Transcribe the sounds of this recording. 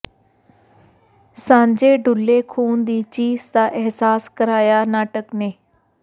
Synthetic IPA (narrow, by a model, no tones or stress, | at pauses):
sãːɲd͡ʒeːɖʱʊlːekʰuːnd̪iːt͡ʃiːzd̪aːʔɪɦsaːskəɾaːjanaːʈəkneː